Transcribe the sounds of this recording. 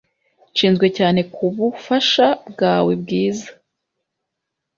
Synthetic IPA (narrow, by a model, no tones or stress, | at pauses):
ʃiːnzɡwe̞caːne̞kʰuβufaʃab̚ɡaːwe̞bɡiːzḁ